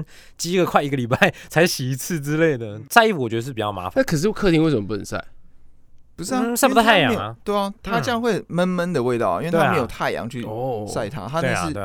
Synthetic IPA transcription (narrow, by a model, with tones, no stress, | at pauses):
n | t͡ɕi˥ɡə˨˧kʰwa˥ɪi˧˥ɡə˨li˨˩pa˥˩ɪt͡sʰa˧˥ɪɕi˨˩i˧˥t͡s̩ʰ˥˨t͡sɻ̩˦˥le˥˩ɪd̪ə˩t͡sa˥˧ɪi˥˩fu˨˩wɔ˨˩ɥɛ˧˥d̪ə˧ʂɻ̩˥˩pi˨˩t͡ɕɑ˥˩ma̰˧˦fa˨a˥˩kʰɤ˨˩ʂ̬̩˥˩wɔ˨˩kʰɤ˥˧t̪i˥˧ŋwsə˨˩ə˦pə˨˩sa̰˥˩ɪ | pu˧˥s̩˥˨sa˥˩˥u˧t̪a˥a˥˩ɪjɑ̰˨˦˥jt̪we˥˩ɪ˨t̪ʰa˥jɑ˥˧ŋxwe˥˩ɪmə˦nmə˦nd̪ə˨we˥˧ɪt̪ɑ˥˩ʊ̰˨i˥nwe˥˩t̪ʰa˥˧˥jo˨˩ʊt̪ʰa˥˩ɪjɑ̰˧˦ŋt͡ɕʰy˥˩a˥˩ɪt̪ʰa̰˦t̪ʰa˥nə˥˧˥